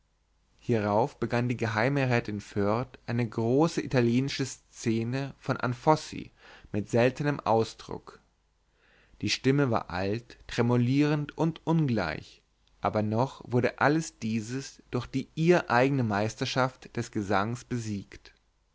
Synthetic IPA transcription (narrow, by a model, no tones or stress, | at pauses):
hiːʁaʊfb̥əɡandiːɡəɦaɪməʁɛːtɪnfœɐtʔaɪnəɡʁoːsəʔitaljeːnɪʃəst͡seːnəfɔnʔa̰nfɔsḭmɪtz̥ɛltənəmʔa̰ʊsd̥ʁʊ̰k | d̥iːʃtɪməva̰ːɐʔa̰ltːʁ̥ɛmoliːʁəntʔʊntʔʊnɡla̰ɪç | ʔa̰ːbɐnɔχv̥ʊɐɾəʔaləsd̥iːzəsd̥ʊɐxd̥iːʔiːɐʔaɪɡənəmaɪstɐʃaftd̥ɛsɡ̥əzaŋsb̥əziːkt